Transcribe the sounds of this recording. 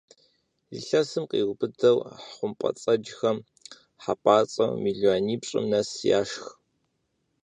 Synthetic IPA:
lɨɬɐsɨmqḭːʁʷʊbɨdɐwħχʷʊmpʼɐ̰t͡sʼɐd͡ʒxɐm | ħapʼaːt͡sʼɐ̰wmiːɮuaːniːpɕʼɪ̰mnɐsja̰ːʂx

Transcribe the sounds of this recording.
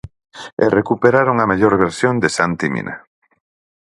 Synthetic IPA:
ḛrekupeɾaɾoŋameʎoɾβeɾsjond̪esant̪imḭ̃nʔa̰

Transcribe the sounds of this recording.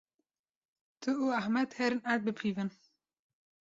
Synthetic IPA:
t̪ʰɨuahmɛt̪hɛɾɨnæt̪̚bɨpʰivɨn

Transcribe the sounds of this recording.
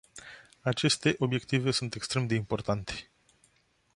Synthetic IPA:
at͡ʃe̞st̪e̞ʔo̞bje̞kt̪ive̞sunt̪e̞kst̪ɾe̞md̪e̞impo̞rt̪ant̪e̥

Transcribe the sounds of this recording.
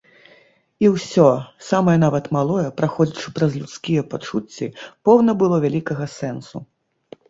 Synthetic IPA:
iwsʲɔsamɐjɐnavɐt̪malˠɔjɐpɾaxɔd͡zʲit͡ʂɨ̥pɾɐzlʲut̪skʲijɛpat͡ʂut͡sʲːipɔwnɐbɨlˠɔvʲalʲikɐɣɐsɛnsṵ

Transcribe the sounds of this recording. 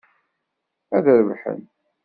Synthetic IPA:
æðəɾəvħə̰n

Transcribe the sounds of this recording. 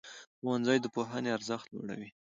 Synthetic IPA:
xoanzajd̪əpoɦaneaɾzəxt̪̚lo̰ɽa̰wi

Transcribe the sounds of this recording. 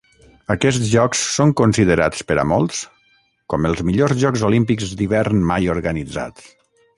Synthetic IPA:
əkɛstʒɔksːoŋkunsiðəɾa̰t͡spəɾə̰mɔlˠs | kɔməlˠzmiʎozʒɔkzolimpikzd̪iβɛɾnmajoɾɣənid͡za̰t͡s

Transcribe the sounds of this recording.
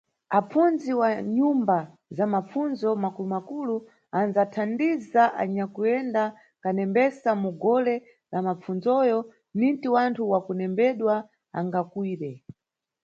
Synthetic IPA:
apunziwaɲumba | zamap͡funzɔmakulumakulu | anzatʰandizaʔa̰ɲakujɛnda | kanɛmbɛsamuɡɔlɛ | lamap͡funzɔjɔ | nintiwantʰuwakunɛmbɛɗwa | a̰ŋɡakwiːɾɛ

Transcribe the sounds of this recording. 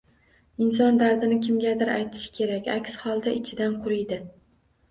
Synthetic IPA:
ɪnsɒnd̪aɾd̪ɪnɪkʲʰɪmɡʲad̪ɪɾa̰jt̪ʰɪ̥ʃɪ̥kʲʰe̞ɾakʲa̰kʲshɒlˠd̪aʔɪt͡ʃʰɪd̪anqʰʊɾɪjd̪ɪ

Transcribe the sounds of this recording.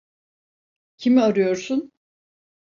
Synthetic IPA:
cʰimiaɾɯjo̞ɾsʊn

